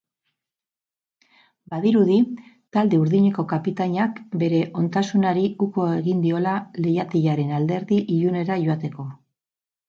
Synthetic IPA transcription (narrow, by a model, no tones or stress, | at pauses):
baðiɾuði | t̪ald̪e̞uɾðiɲe̞ko̞kapit̪aɲakbe̞ɾe̞ʔo̞nt̪asunaɾiuko̞e̞ɣind̪io̞lalejat̪eʎaɾe̞nald̪e̞ɾðiʔiʎune̞ɾaʝo̞at̪e̞ko̞